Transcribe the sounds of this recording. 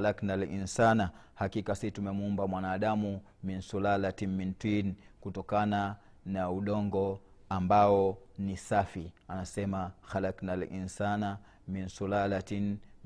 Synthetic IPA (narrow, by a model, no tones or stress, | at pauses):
alaknalinsana | hakikasitumɛmuumbamwanaːɗamu | minsulalatimmintwinkutɔkana | nauɗɔŋɡɔ | ambaɔnisafianasɛmaxalaknalʔḭnsana | minsulalatin